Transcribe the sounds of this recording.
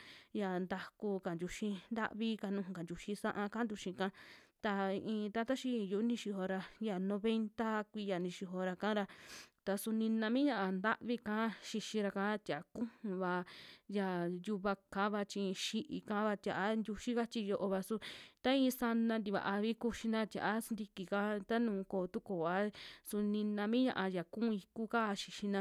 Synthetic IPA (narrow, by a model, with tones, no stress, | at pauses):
ja˧˨nd̪a˧ku˧ka˨nd̪ʲu˧ʃĩ˧nd̪a̰˦ʔβi˦ka˧nũ˧˨ũ˧ka˨nd̪ʲu˧ʃĩ˧sã˦ʔã˧kã˦nd̪u˧ʃĩ˧kã˦t̪a˧i˧ʔĩː˧t̪a˧˦t̪a˦ʃi˧˦˧ju˧˨˦nĩ˧ʃi˧ɦo˧ɾa˧ja˨nõ˧βe˧nt̪a˦kʷi˧ja˨nĩ˧ʃi˧ɦo˧ɾa˧kã˦ɾa˧t̪a˧su˧nĩ˧nã˧mĩ˦ɲã˧ʔa˧nd̪a˦ʔβi˦˧kã˦ʃi˧ʃĩ˧ɾa˧kã˦t̪ʲa˨˦kũ˦hũ˧βa˧ja˨ju˧βa˧kã˨˦βa˧t͡ʃĩ˧ʃi˧ʔi˨kã˦βa˧t̪ʲa˨ʔa˦nd̪ʲu˧ʃi˦ka˦t͡ʃi˧jo˧ʔo˧βa˧su˧t̪a˦ĩː˧˦˧sa˧nã˧nd̪i˧βa̰˨ʔa˧βi˦ku˧ʃi˧nã˦˧t̪ja̰˨ʔa˦snd̪i˧ki˨ka˦t̪a˦nũː˨˧koː˨˧t̪u˦koː˨a˧˦su˧nĩ˧nã˧mĩ˦ɲã̰˧ʔa˧ja˨kũ˦˧i˧ku˦ka˦˧ʃi˧ʃĩ˧nã˧